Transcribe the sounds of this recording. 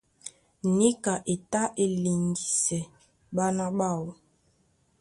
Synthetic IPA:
ni˦ka˨ʔe˨ta˦ʔe˨li˨ŋdi˨sɛ˨ | ɓa˦na˦ɓa˦˨w

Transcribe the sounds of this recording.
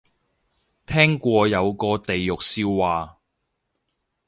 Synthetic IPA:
t̪ʰɛː˥ŋkʷɔː˧jɐ˨˧wkɔː˧t̪e˨jːʊ˨k̚siː˧wwaː˨

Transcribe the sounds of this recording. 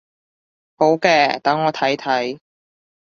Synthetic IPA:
ho˨˥wkɛː˧t̪ɐ˨˥ŋːɔː˨˧t̪ʰɐ˨˥jt̪ʰɐ˨˥j

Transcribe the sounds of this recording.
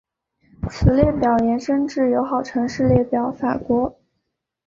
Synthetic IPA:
t͡sʰɹ̩˨˩ljɛ˥˩pjɑ˨˩ʊjɛ˧˥nʂə˥nʈ͡ʂɻ̩˥˩jo˧˥ʊxɑ˨˩ʊʈ͡ʂʰɤ˧˥ŋʂɻ̩˥˧ljɛ˥˩pjɑ˨˩ʊfa̰˨˩kwɔ˧˥

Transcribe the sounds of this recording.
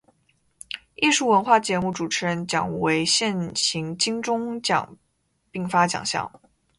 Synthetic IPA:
i˥˧ʂu˥˩wə˧˥nxwa˥˩t͡ɕjɛ˧˥mu˥˩ʈ͡ʂu˨˩ʈ͡ʂʰɻ̩˧˥ɻə˧˥nt͡ɕjɑ̰˨˩ŋwe˧˥ɪɕjɛ˥˩nɕi˧˥ŋt͡ɕi˥ŋʈ͡ʂʊ˥ŋt͡ɕjɑ̰˨˩ŋ | pi˥˩ŋfa˥t͡ɕjɑ̰˨˩ŋɕjɑ̰˥˩ŋ

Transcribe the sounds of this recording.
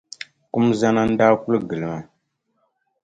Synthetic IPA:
ku˦mza˦na˦n̩˦daː˦ku˦lɡɨ˨lɨ˨ma˨

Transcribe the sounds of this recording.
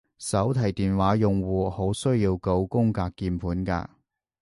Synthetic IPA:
sɐ˨˥wt̪ʰɐ˨˩jt̪iː˨nwaː˨˥jʊ˨ŋwuː˨˩ho˨˥wsɵ˥ɥjiː˧wko˧wkʊ˥ŋkaː˧kːiː˧npʰuː˨˥nka̰ː˧

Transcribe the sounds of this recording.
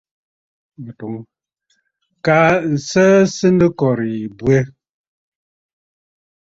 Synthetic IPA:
m̩˨pɔ˨ŋ | ka˦n̩˨sə˦sɨ˦n˦dɨ˦kɔ˨ɾi˨bwe˦

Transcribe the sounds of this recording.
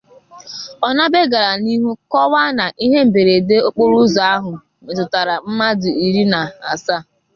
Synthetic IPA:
ɔ˨na˦be˦ɡa˨ɾa˨ni˦ɦu˦kɔ˦wa˦na˨ʔi˦ɦe˦m̩˨be˨ɾe˨de˦o˦k͡po˦ɾu˦za˨a˦ɦʊ˨ | me˨tʊ˨ta˨ɾa˨m̩˦ma˦dʊ˨i˨ɾi˦na˨a̰˨sa˦˨

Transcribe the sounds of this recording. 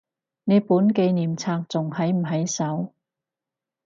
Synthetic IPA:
ne˨˧jpuː˨˥nke˧jniː˨˩mt͡sʰaː˧k̚t͡sʊ˨˩ŋhɐ˨˥jm̩˨˩ɦɐ˨˥jsɐ˨˥w

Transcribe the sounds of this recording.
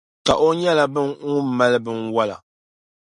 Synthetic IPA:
ka˨ʔo˦ɲɛ˦la˨bɨ˦ŋu˦ma˦lɨ˦bɨ˦nwa˦la̰˨

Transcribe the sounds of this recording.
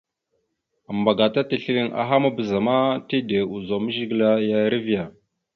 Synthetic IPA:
a˨mba˨ɡa˨ta˦tə˨ɬi˦li˦ŋʔa̰˨ɦa˦ma˦bə˨za˨ma˦te˦de˨u˨zo˨mə˦ʒi˦ɡla˦ja˦ɾə˦vi˦ja˨

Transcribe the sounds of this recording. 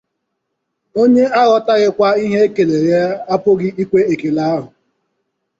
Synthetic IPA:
o˦ɲe˦a˦ɣɔ˦ta˦ɣɪ˦kʷa˦i˦ɦe˦e˦ke˨le˨ja˦a˦pʊ˦ɡɪ˦i˦kʷe˦e˨ke˨la˦ɦʊ˨

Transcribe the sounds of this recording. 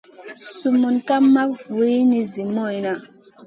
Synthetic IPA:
su˨mu˨nka˦mːa˦p̚we˦ni˨zi˨mɔ˦˨i˨na˨

